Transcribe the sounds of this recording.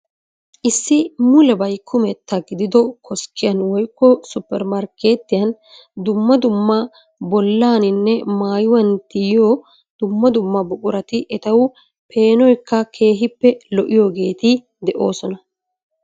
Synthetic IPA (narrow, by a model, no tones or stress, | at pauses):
ʔɪsːɪmʊlɛbɐjkʰːʊmɛt̪ːɐɡɪd̪ɪd̪ɔkʰɔskʰɪjɐnwɔjkːɔsʊpːɛɾmɐɾke̞ːt̪ːɪjɐn | d̪ʊmːɐd̪ʊmːɐ | bɔlːaːnɪnːɛmaːjʊwɐnt̪ɪjjoː | d̪̥ʊmːɐd̪ʊmːɐbɔkʼʊɾɐt̪ɪʔɛt̪ɐwʊ | pe̞ːnɔjkːɐkʰe̞ːɦɪpːɛlɔʔɪjoːɡe̞ːt̪ɪ | d̪ɛʔo̞ːsɔnɐ